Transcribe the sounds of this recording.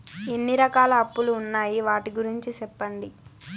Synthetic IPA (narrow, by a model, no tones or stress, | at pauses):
e̞nːiɾɐkaːlɐːpːuluːnːaːjiʋaːʈiɡuɾiɲt͡ʃisɛpːɐɳɖi